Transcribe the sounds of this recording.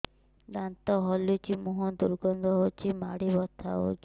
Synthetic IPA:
d̪ant̪ɔɦɔljut͡ʃimuɦɔd̪uɾɡɔnd̪ɔɦot͡ʃʰimaɽibɔt̪ʰa̰o̰t͡ʃ

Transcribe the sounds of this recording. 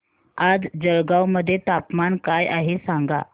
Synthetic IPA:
ad͡zd͡zəɾɡawməd̪ʱːjet̪apmankajaɦesaŋɡa̰

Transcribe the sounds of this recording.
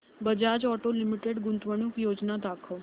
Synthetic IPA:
bəd͡ʒaːd͡ʒɔːʈolɪmɪʈeɖɡʊ̃nt̪ʋəɽ̃ukjoːd͡ʒnad̪aːkʰə

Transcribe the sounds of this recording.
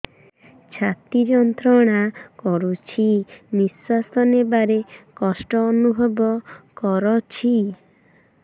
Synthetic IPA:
t͡ʃʰat̪id͡ʒɔnt̪ɾɔɽ̃akɔɾut͡ʃʰimisast̪ʰɔnebaɾekɔsʈɔːnubʱɔbɔkɔɾɔt͡ʃʰi

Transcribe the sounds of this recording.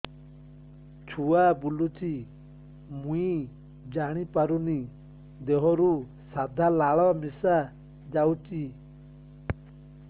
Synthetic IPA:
t͡ʃʰuabulut͡ʃʰi | mũi | d͡ʒaɽ̃ipaɾuni | d̪eɦɔɾu | sad̪ʱalaɭɔmisa | d͡ʒawt͡ʃi

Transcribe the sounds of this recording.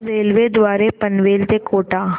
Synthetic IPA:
ɾeːlʋed̪ʋaːɾepɐnʋeːlt̪ekoːʈaː

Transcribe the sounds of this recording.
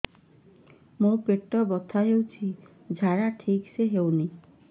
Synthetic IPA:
mopeʈːɔbɔt̪ʰaɦewt͡ʃʰi | d͡ʒʱaɾaʈʰikseɦewni

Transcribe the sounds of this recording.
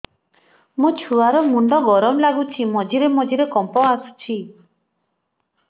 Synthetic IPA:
mut͡ʃʰuaɾɔmuɳɖɔɡɔɾɔmlaɡut͡ʃʰimɔd͡ʒiɾemɔd͡ʒiɾekɔmpɔasu̥t͡ʃʰi

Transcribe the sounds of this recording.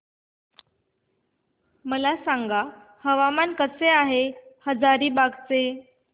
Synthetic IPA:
məlasaŋɡa | həʋamankəseaɦehəd͡zaɾiːbaɡt͡se

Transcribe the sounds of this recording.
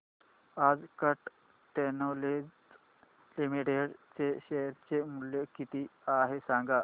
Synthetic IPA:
ad͡zkəʈ | ʈenoled͡ʑ | limiʈeɽt͡seɕeəɾt͡semuljekit̪iaɦesãŋɡa

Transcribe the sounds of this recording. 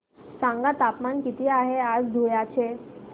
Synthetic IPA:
sãŋɡat̪apmankit̪iːaɦead͡zd̪ʱojat͡ɕe

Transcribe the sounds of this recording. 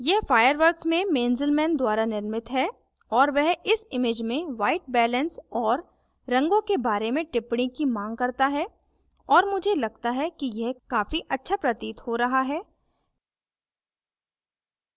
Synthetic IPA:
jɛɦfaːjəɾʋəɾksmẽmeːnzəlmɛ̃ːnd̪waːɾanɪɾmɪt̪ɦɛ | ɔːɾʋɛɦɪsɪmeːd͡ʒmẽʋaːɪʈ̚bɛːlə̃nsɔːɾː | ɐ̃ŋɡõkebaːɾemẽʈɪpɽ̃ikimãːŋɡ̚kɐɾt̪aɦɛː | ɔːɾmʊd͡ʒʱelɐɡ̚t̪aɦɛkijɛɦkaːfiʔɐtːʃʰapɾɐt̪iːt̪hoɾɐɦaɦɛː

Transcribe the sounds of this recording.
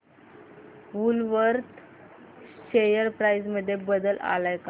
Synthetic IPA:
ʋulʋəɾt̪ | ɕejəɾpɾajd͡zməd̪ʱːjebəd̪əla̰lajka

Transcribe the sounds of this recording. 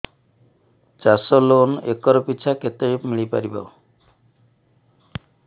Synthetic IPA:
t͡ʃasɔlonekɔɾɔpit͡ʃʰaket̪eipmiɭipa̰ɾiba̰

